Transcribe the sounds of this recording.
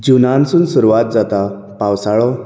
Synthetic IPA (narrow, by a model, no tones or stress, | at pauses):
d͡ʑunãnsuːnsuɾuʋat̪̚d͡zat̪a | pawsaɭɔ